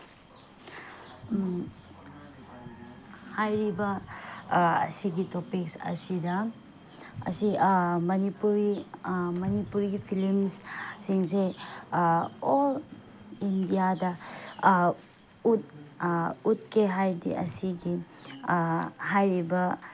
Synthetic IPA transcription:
hajɾibɐ | ɐ̰siɡitopiksɐ̰sidɐ | ɐ̰simɐnipuɾimɐnipuɾiipʰilimssiŋse | ol | indijadɐ | ut̚ | ut̚keɦajdḭʔɐ̰siɡi | ɦajɾibɐ

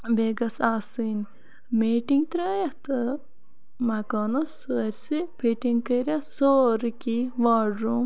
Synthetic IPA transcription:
beːɡɐsaːsin | miːʈiŋt̪ɾɐːjɐht̪ɨ | mɐkɔːnɐsɨɾʲsipʰeʈiŋkəɾʲɐsoːɾkiʋaːɖɾum

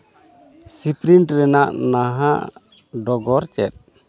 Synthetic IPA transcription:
sipɾinʈɾɛnaʔnaɦaʔ | ɖɔɡɔɾt͡ʃɛt̪̚

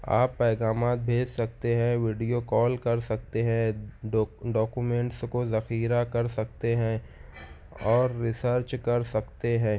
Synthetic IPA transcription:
a̰ːpːɛːɡaːmaːt̪̚bʱeːd͡ʒsɐk̚t̪eɦɛ̃ʋɪːɖijokɔːlkɐɾsɐk̚t̪eɦɛ̃ | ɖɔːkumẽːɳʈskozɐxiːɾakɐɾsɐk̚t̪eɦɛ̃ | ɔːɾːɪsəɾt͡ʃkɐɾsɐkt̪eɦɛ̃ː

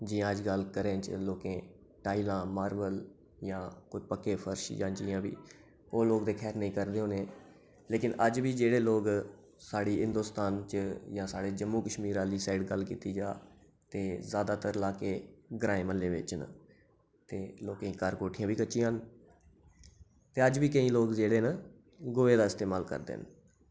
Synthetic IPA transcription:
d͡ʒiːãːəd͡ʒɡəlkəɾẽːt͡ʃloːkẽː | ʈaːiːlãːmaːɾʋəl | jãːkoːpəkːeːpʰəɾʃd͡ʒãːnt͡ʃḭjãːbḭː | oːloːkd̪eːkʰɛːɾnəĩːkəɾd̪eːɦoːnẽː | leːkɪnəd͡ʒʋiːd͡ʒeːɽeːloːk | saːɽiːɦɪ̃nd̪oːst̪aːnt͡ʃjãːsaːɽeːd͡ʒəmːuːkəʃmiːɾaːliːsaːɪɖɡəlːkiːt̪iːd͡ʒaː | t̪eːzaːd̪aːt̪əɾlaːkeːɡɾãːẽːməlːeːʋɪ̰t͡ʃn̰ː | t̪eːloːkĩːkəɾkoːʈʰɪjãːʋiːkət͡ʃːʃijãːn | t̪eːəd͡ʒʋiːkəĩːloːkd͡ʒeːɽeːnə | ɡoːeːd̪aːɪst̪eːmaːlkə̰ɾd̪ḛːn

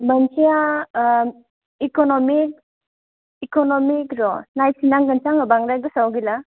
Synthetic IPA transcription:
bankʰija | ikɔnɔmik̚ | ikɔnɔmikɾɔnajsinaŋɡansaŋabaŋɾajɡɯsawɡila

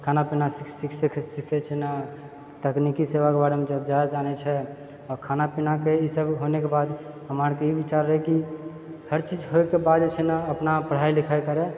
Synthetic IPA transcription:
kʰanapinasisikskʰsikʰɛt͡ʃʰɛna | t̪əknikiseʋakebaɽemẽd͡ʒəd͡ʒad͡ʒanɛt͡ʃʰɛ | ɔɾkʰanapinakeisəbɦonekebad̪ | ɦəmaɾkeibit͡ʃaɾːəɦɛki | həɾt͡ʃid͡ʒɦoekebad̪et͡ʃʰɛnaəpnapəɽ̤ailikʰajkəɾɛ

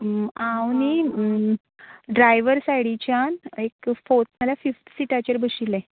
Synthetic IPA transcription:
ãwni | ɖɾajʋəɾsajɽit͡ɕjanekfot̪məlafifʈ̪siʈat͡ɕəɾbəɕilɛ̃

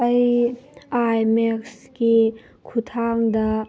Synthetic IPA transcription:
ɐj | ajmeks | ki | kʰut̪ʰaŋdɐ

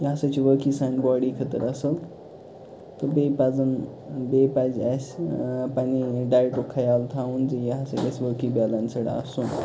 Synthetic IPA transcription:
jɐɦasat͡ɕiʋəkisanbɔɽikʰət̪ə̰ɾəsəl | t̪əbepad͡zən | bepad͡zasʲpaniɖajʈukʰːajalt̪ʰawund͡zijɐɦasaesʋəkibalənsəɽa̰ə̰sun

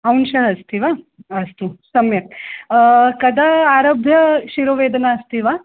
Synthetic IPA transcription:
ɐwnʃɐɭɐst̪iʋaː | ɐst̪usɐmjɐk̚ | kɐd̪aaːɾɐbʱjɐʃiɾoːʋeːd̪ɐnaɐst̪iʋaː

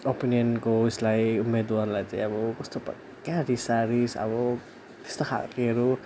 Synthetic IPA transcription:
opiniʌnkoislajumed̪uanlajt͡saĩʌbʌkʌst̪op | kãɾisaɾisʌ̰bʌ | t̪e̥st̪okʰa̰keɾu

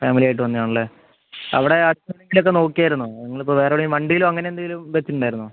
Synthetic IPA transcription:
faːmilijaːjiʈ̬ːɨʋɐnːijaːɳɐɭːe | ɐ̰ʋiɽe̞ɐɽunɐŋɡilo̞k̬ːe̞no̞ːkːijaːjiɾunːunɐŋːɐɭipːoʋeːɾɐoɽimɐɳɖijilumɐŋːɐneend̪ɐŋilumʋet͡ɕːiʈːuɳɖaːiɾunːu

